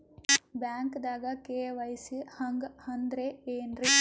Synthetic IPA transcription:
bjaːŋkd̪aːɡɐkeːʋɐjsihɐŋɡhɐnd̪ɾeeːnɾi

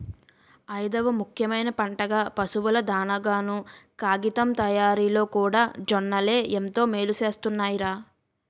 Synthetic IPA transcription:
ɐjd̪ɐʋɐmukʰjɐmɐjnɐpɐɳʈɐɡaːpɐsuʋulɐd̪aːnɐɡaːnukaːɡit̪ɐmt̪ɐjaːɾiːlo̞ːkuːɽaːd͡ʒɔnːɐle̞ːʔent̪o̞ːme̞ːluse̞ːst̪unːaːjiɾaː

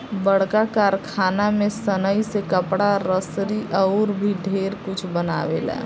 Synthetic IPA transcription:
bəɽ̤kakaːɾkʰaːnamẽsənəisekəpɽaɾəsɾiʔɔʊɾbʱiɖʱeːɾkʊt͡ʃʰbəna̰ːʋḛlɛ̰ː

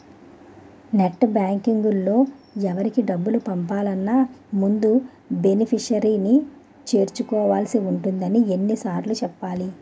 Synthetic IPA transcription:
neʈːbaːŋkiŋɡulːo̞ːɛʋɐɾikiɖɐbːulupɐmpaːlɐnːaːmund̪u | be̞nipʰiʂɐɾiːni | t͡ʃe̞ːɾt͡ʃukɔːʋaːlsiuɳʈund̪ɐnie̞nːisaːɾlut͡ʃɛpːaːli

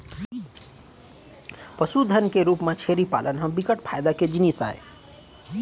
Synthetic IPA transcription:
pəsud̪ʱənkeɾupmat͡ʃʰeɾipa̰lʔənɦə̃mbikəʈpʰajd̪aked͡ʒinisa̰ḛ

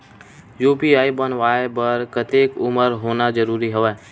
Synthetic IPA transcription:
juːpiaːibənʋaːepəɾkət̪ekʊməɾɦoːnad͡ʒəɾuːɾiɦəʋɛː

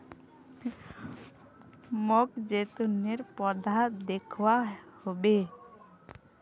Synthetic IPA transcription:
mɔkd͡ʒet̪uneɾpɔd̪aɦt̪d̪ekʰuwahobe

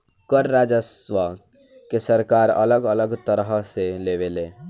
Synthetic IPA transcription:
kəɾːaːd͡ʒəsʋa | kesəɾkaːɾə̰ləɡələɡt̪əɾɦəseleːʋeleː

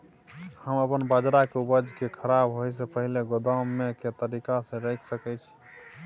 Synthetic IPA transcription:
həməpənbad͡ʒɾakeubəd͡ʒkekʰəɾabɦojs̬epəɦileɡod̪amːeket̪əɾikasẽɾəjkʰsəkɛt͡ʃʰi̥

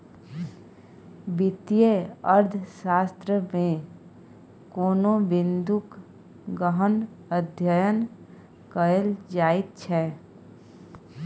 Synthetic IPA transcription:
bɪt̪ijeəɾd̪ʱʃaːst̪ɾəmẽ | koːnõbɪ̃nd̪uk | ɡəɦən | əd̪ʱjəjən | kəəld͡ʒaːɪt̪̚t͡ʃʰɛː

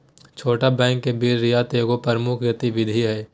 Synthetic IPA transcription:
t͡ʃʰoːʈabɛ̃ːŋkːebiːɾːijaːt̪eːɡopəɾmʊkʰjət̪iʋɪd̪ʱiɦɛː

